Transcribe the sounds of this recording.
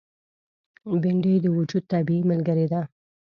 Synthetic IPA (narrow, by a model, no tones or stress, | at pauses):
bɪɳɖəjd̪əwʊd͡ʒud̪̚t̪abiimalɡəɾed̪a